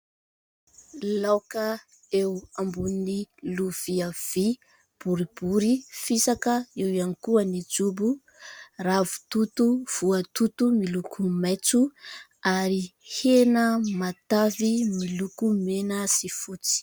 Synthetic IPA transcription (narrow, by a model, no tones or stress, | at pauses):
lawkə | ewambuniniluv̥iav̥i | b̥uɾibuɾifisakəewianikuənid͡ʒubu | ravu̥t̪ut̪uv̥uət̪ut̪umilukumet͡suaɾihenəmat̪avimilukumenasifut͡si̥